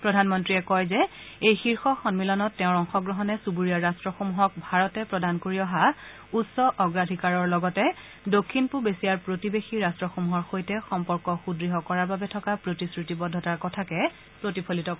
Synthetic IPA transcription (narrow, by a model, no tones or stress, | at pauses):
pɹɔdʱanmɔntɹiɛkɔjzɛ | ejxiɹxɔxɔnmilɔnɔtːɛ̃ʊ̃ɹɔŋxɔɡɹɔɦɔnɛsubuɹijaɹastɹɔxomuɦɔk̚bʱaɹɔtɛpɹɔdʱankoɹiɔɦa | utsɔʔɔɡɹadʱikaɹɔɹlɔɡɔtɛ | dokʰːinpubesijaɹpɹotibexiɹastɹɔxomuɦɔɹxojtɛxɔmpɔɹkɔxudɹiɦɔkɔɹaɹbabɛtʰɔkapɹotisɹitibɔdʱːɔtaɹkɔtʰakɛ | pɹotipʰolitɔk